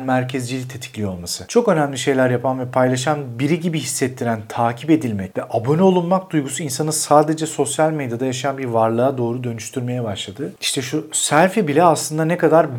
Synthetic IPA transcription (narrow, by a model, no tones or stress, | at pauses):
nmæɾcʰezd͡ʒilʲic̚t̪ʰe̞t̪ʰi̥clʲijo̞lˠmasɯt͡ʃʰo̞kø̞næmlʲiʃe̞jlʲæɾjapʰanvɛpʰajlˠaʃanbiɾiɟibiɦisːɛt̪ʰːiɾænt̪ʰaːcʰipe̞d̪ilʲmɛc̚t̪ɛʔabo̞nyolˠunmak̚d̪ujɡusuinsanɯsaːd̪e̞d͡ʒɛso̞sjalʲme̞d̪jad̪ajaʃajanbiɾvaɾlˠɯad̪o̞ːɾud̪ø̞nyʃt̪ʰyɾme̞jɛbaʃlˠad̪ɯiʃt̪ʰɛʃusæɾfibilʲɛaslˠɯnd̪anɛkad̪aɾ